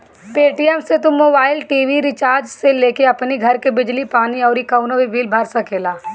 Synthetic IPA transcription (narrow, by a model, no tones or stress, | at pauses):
peːʈiɛmset̪ʊmoːbaːɪlʈiːʋiɾɪt͡ʃaːɾd͡ʒseleːkeɐpniɡʱɐɾkebɪd͡ʒlipaːniɔːɾikɐʊnoʋibiːlbʱaɾsakeːlaː